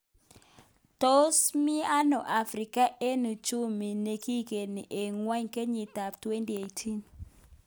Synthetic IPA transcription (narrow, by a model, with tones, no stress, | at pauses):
to˦smi˦a˦nɔ˨ʔa˨fɾi˨ka˦ʔe˦nu˨t͡ʃu˦mi˨ne˨ki˦ke˨ni˨ʔe˨ŋwa˦ɲke˦ɲi˨t̪a˨ptwe˦nti˨e˨jtʰi˦n